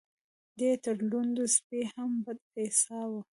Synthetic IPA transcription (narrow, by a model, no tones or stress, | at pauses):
d̪et̪əɾlund̪uspehambad̪̚esɑwə